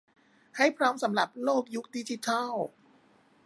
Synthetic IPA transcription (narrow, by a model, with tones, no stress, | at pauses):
ha˥˩jpʰɾɔː˦˥msa˩˦mɾa˨˩p̚loː˥˩k̚ju˦˥k̚di˦˥t͡ɕi˧˩t̪ʰa˥˩w